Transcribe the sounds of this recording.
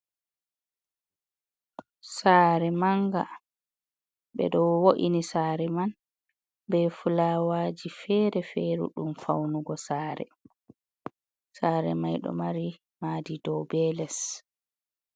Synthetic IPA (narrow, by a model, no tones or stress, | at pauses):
saːɾɛmaŋɡa̰ | ɓɛ̰ɗɔwoʔinisaːɾɛman | bɛfulawaːd͡ʒifɛːɾɛfɛɾṵɗumfawnuɡɔsaːɾɛ̰ | saːɾɛ̰majɗɔ̰maɾi | maːdidɔwbɛlɛs